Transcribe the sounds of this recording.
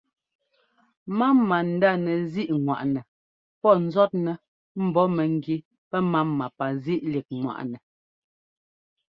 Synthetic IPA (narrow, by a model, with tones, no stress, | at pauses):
ma˦mːa˨n̩˨da˦˨nɛ˨zi˦ʔŋwa̰˨ʔnɛ˨ | pɔ˦˨n̩˦zɔ˦t̚nɛ˨ | m̩˨bɔ˨˦mɛ˨ŋ̩˦ɡi˦ | pɛ˦ma˦mːa˨pa˨zi˦ʔli˨k̚ŋwa̰˨ʔnɛ˨